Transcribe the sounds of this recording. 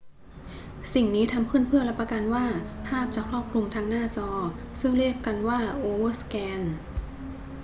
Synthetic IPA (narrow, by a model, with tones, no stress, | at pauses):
si˨˩ŋniː˦˥t̪ʰa˧mkʰɯ˥˩˨npʰɯ˥˩ɐlɛ˦˥pːɾa˧ka˧nwaː˥˩pʰaː˥˩p̚t͡ɕaː˨˩kʰɾɔː˥˩p̚kʰlu˧ŋt̪ʰaː˦˥ŋnaː˥˩t͡ɕɔː˧sɯ˥˩ŋli˥˩p̚ka˧nwaː˥˩ʔoː˧wɤː˥˩skɛː˧n